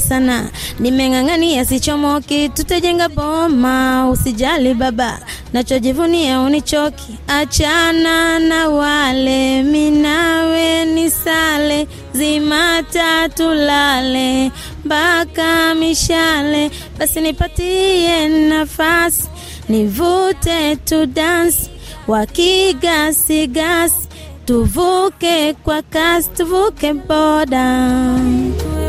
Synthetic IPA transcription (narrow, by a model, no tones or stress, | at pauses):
sana̰nimɛŋaŋaniasit͡ʃɔmɔkitutad͡ʒɛŋɡabɔmausid͡ʒaliɓaɓa̰ | nat͡ʃɔd͡ʒivuniaunit͡ʃɔkʰi̥ | at͡ʃananawalɛminawɛnisalɛ | zimatatulalɛ | mbakamiʃalɛ | ɓasinipatiɛnafasi̥ | nivutɛtudansi̥ | wakiɡasiɡasi̥ | tuvukɛkwakasi̥tuvukɛbɔda